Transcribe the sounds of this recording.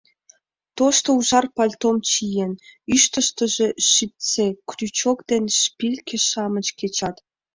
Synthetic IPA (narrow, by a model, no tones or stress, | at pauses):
t̪oʃt̪ouʒɑrpɑlʲt̪omt͡ɕijenyʃt̪ə̆ʃt̪ə̆ʒĕʃip̚t͡sekrʲyt͡ɕokd̪enʃpʲilʲkʰʲĕʃɑmə̆t͡ɕket͡ɕɑt̪